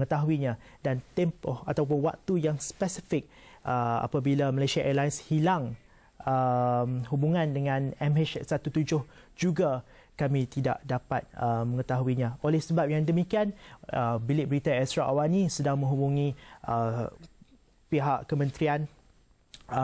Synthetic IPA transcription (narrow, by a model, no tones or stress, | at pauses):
əŋət̪aɦuiɲã | dant̪ɛmpɔhat̪awp̬ʊnwa̰k̚t̪ujaŋspəsifɪk̚ʔəa̰pabilaməlasiaʔɛlajnshilaŋ | əmɦubuŋãndəŋãnɛmɛt͡ʃsat̪ut̪ud͡ʒʊhd͡ʒuɡa | kamĩt̪ida̰ʔdapat̪̚əmə̃ŋət̪aɦuiɲãolɛhsəbap̚jaŋdəmikianəbilɪʔ̚bəɾit̪aɛstɾaʔawanisədaŋmə̃ŋɦubuŋĩʔə | piɦaʔkəmə̃nt̪ɾian